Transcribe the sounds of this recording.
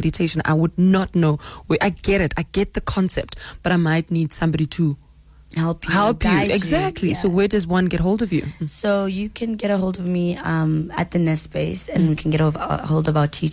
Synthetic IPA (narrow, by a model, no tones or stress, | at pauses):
ɛɾitʰeɪʃə̃na̰ɪwʊdⁿnɔtnowɛʔaɪɡɛɾɪtʰaɪɡɛt̪̚ðəkʰɔ̃nsɛ̰p̚tb̥aɾaɪmaɪtniːd̥sãmbɾitʰu | hɛlˠpʰjhɛlˠpʰjuɛɡzæk̚tʰlisowɛdʌzwʌ̃nɡɛt̚ɦolˠdɔvjṵsojukʰɨ̃nɡɛɾəɦolˠdɔvmiʌ̃mə̰t̪̚ðənɛspeɪsɨ̃nwikʰn̩ɡɛɾholˠdɔvaʊətʰit͡ʃ